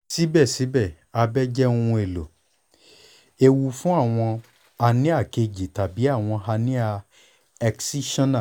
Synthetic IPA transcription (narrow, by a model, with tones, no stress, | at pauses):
si˨˦bɛ˦˨si˨˦bɛ˦˨ | a˧bɛ˦d͡ʒɛ˦ũ˦˧˦e˨lo˨ | e˧wu˧fũ˦a˦˨w̃ɔ̃˧ | a˧nĩ˦a˦˨ke˧d͡ʒi˨ta˨bi˨˦a˦˨w̃ɔ̃˧ɦa˧nĩ˦a˧ | ɛ˧ksi˦ʃɔ̃˦nã˦˨